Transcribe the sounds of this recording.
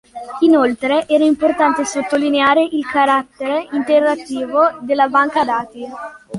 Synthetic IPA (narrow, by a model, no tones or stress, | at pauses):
inolt̪ɾeʔɛːɾaimport̪ant̪esot̪ːolineaːɾeʔilkaɾat̪ːeɾeint̪erːat̪ːiːvod̪elːabaŋkad̪aːt̪i